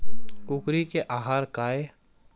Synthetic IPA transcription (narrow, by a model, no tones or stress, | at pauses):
kʊkɾikeʔaːɦaːɾkaːe